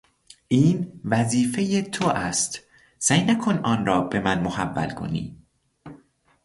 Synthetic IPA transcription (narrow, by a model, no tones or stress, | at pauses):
ʔiːnvæziːfe̞jet̪ʰoʔæst̪ | sæjnækʰonʔɒːnrɒːb̥e̞mænmohæ̰vːæ̰lkʰo̞̰nḭː